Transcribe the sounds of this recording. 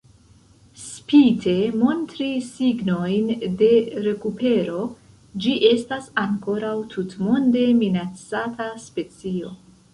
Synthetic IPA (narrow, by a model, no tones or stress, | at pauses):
spitʰe̞mo̞ntɾisiɡno̞jnde̞ɾe̞kupe̞ɾo̞ | d͡ʒiʔe̞stasaŋko̞ɾawtʰutmo̞nde̞minat͡sataspe̞t͡sio̞̰